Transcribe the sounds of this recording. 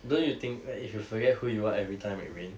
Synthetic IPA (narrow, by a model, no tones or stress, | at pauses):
dõnjut̪ɪ̃ŋk̚ifjufəɡɛt̚hujuaɛvɹitʰãɪ̃mɛ̰t̚ɹĩn